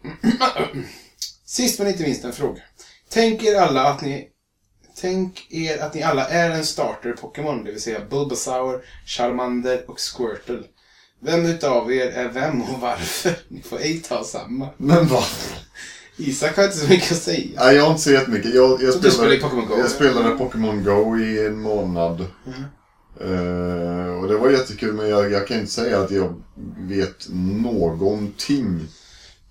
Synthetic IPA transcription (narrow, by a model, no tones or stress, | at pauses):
sɪst̪mɛnɪnt̪̬əmɪnst̪ɛnfɾo̰ːɡa | t̪ʰɛŋkeːɾalːaːt̪nɪ | t̪ʰɛŋkeːɾat̪nɪalːaʔæɾɛnst̪ɑːʈəɾpʰɔkːəmɔnd̪ɛvɪlsɛjːabɵlbəsaʊəɾʂaɾmand̪əɾɔkskwœːʈəl | vɛmːʉ̟ːt̪əaveːɾæɾvɛmːɔvaɾfəɾnɪfo̰ːɾɛt̪ʰɑːsa̰mːamɛnva | iːsakhaɾɪnt̪əsɔmʏkːəɔsɛjːaæɪjɑɡhaɾɪnt̪əsɔjɛt̪ːəmʏkːəjɑːjɑːslapʰɔkɔnɡjɑːspeːlad̪əd̪əpʰɔkɛmɔnɡɔʊɪɛnmoːnad̪ | ɔd̪ɛvaɾjɛt̪ʰːəkʰʉ̟ːlmɛnjɑjɑːkʰanɪnt̪ə̥sɛjːaːt̪jɑːɡveːt̪noːɡɔnt̪ʰɪŋ